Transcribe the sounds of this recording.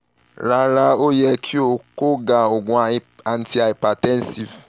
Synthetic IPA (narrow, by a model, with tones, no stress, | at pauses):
ɾa˧ɾa˧o˦jɛ˧kʰi˦o˧ko˦ɡa˨o˨ɡũ˧a˨a˨n̩˨ti˨˧a˨i˨pa˨tɛ̃˦n˦si˨v